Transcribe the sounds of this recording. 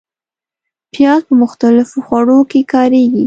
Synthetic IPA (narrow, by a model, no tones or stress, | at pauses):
pjɑzpəmʊxt̪alɪfoxwaɽokekɑɾeɡi